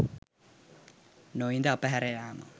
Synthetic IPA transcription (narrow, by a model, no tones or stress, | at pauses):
noind̪əapəɦæɾejaːmə̰